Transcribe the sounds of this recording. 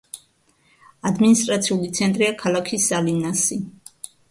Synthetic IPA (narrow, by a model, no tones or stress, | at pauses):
ad̪minist̪ʼɾat̪sʰiulit̪sʰɛnt̪ʼɾiakʰalˠakʰisːalinasi